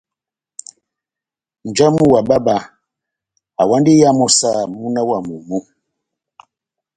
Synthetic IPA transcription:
n̩˨d͡ʒa˦mu˦wa˨ɓa˦ɓa˨ | a˨wa˦ndi˦ja˦mɔ˦sa˦˨mu˦na˦wa˨mu˨mu˦

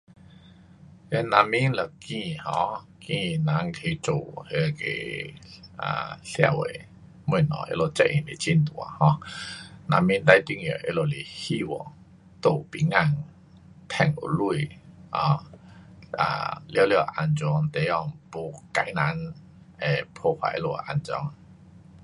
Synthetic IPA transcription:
jɛ˧˦nã˧mi˦nlə˨˩kĩ˧hɔ̰̃˧ | kĩ˧nã˨˧˦ŋkʰe˧t͡ɕo˨˩he˧kḛ˧˨˩ | ʔa̰˨˩ɬja̰˧˨we˨ | mwu˧˩˨nɔ̰˨ʔḛ˧˨lo˧˩t͡sɛ̰˦˧ʔi˨˩le˨˩t͡ɕi˧˨nt̪u˨a̰˨hɔ̃˧˦ | nã˧mĩ˦nt̪a˧jt̪i˧˥˨ŋjə˨ʔe˧˦lo˧li˨˩hi˦wɔ̰˨ | t̪o˧˩˨pi˨˩ŋa˧˩ŋ | t̪ʰɛ˧˩ŋṵ˨lu˥˧˨i˨hɔ̃˧ | a̰˨˩ljə˧˦˧lje˧˨ʔa˧nt͡sɔ˧ŋt̪e˨jɔ˧˨ŋpo˧ka˧jna˨˦n | e˨˩pʰɔ˧pʰwa̰˨˧˨ʔe˦˧lo˧˩a˨ʔa˧nt͡ɕɔ̰˧˦ŋ

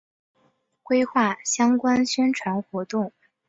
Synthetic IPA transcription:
kwe˥ɪxwa˥˩ɕjɑ˥ŋkwa˥nɕɥɛ˥nʈ͡ʂʰwa˧˥nxwɔ˧˥t̪ʊ˥˩ŋ

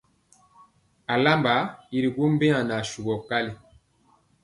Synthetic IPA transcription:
a˨la˦mba˨˦i˨ɾi˨ɡo˦m˦be˦a˨na˨ʃu˨ɡɔ˨ka˦li˨

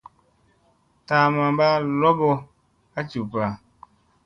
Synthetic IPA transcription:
ta˨˦mã˨ba˦lɔ˦bɔ˧ | a˦t͡ʃu˨pa˨

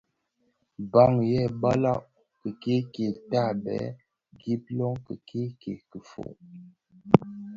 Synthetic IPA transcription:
ba˦˨ŋjɛ˦˨ba˦la˦ʔ | kə˨ke˦ke˨ta˦˨bɛ̰˨˦ | ɡi˦p̚lɔ˦ŋkə˨kʰi˦ke˨kə˨fo̰˨

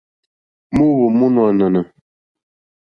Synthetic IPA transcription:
mu˦wu˨mu˦nwa˨nə˨nə˨

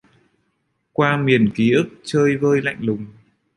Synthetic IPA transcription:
kwaː˧mi˨˩ənki˨˦ʔɨ˦˥k̚t͡ɕəː˧jvəː˧jla̰˧˨jŋ̟lʊ˨˩ŋ͡m

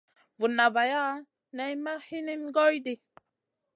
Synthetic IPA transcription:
vu˨na˨va˨ja˦ | nɛ˦jma˦hi˦ni˦mɡɔ˦jdi˨

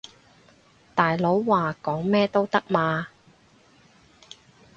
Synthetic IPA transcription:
t̪aː˨˩jlo˨˥wːaː˨kɔː˨˥ŋmɛː˥t̪o˥wt̪ɐ˥k̚maː˨˧

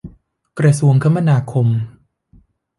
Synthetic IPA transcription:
kɾa˧su˧əŋkʰa˦˥ma˥˧naː˧kʰo˧m

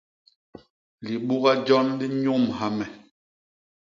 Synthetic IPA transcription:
li˨ɓu˦ɣa˦d͡ʒɔ˦nli˦ɲu˦˨mha˨mɛ˨

